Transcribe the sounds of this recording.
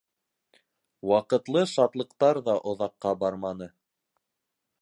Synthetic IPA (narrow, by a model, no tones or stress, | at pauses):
wɑqɤ̆t̪lˠɤʃɑt̪lˠɤ̆qt̪ɑɾðɑʔŏðɑqːɑbɑɾmɑnɤ